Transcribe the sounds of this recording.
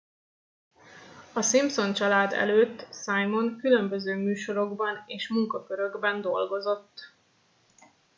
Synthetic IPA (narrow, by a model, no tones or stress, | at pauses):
ɒsimpso̞nt͡ʃɒlaːd̪ɛ̰løːt̪ːsajmo̞ŋkylø̞mbø̞zøːmyːʃo̞ɾo̞ɡbɒneːʃmuŋkɒkøɾø̞ɡbɛnd̪o̞lɡo̞zo̞t̪ː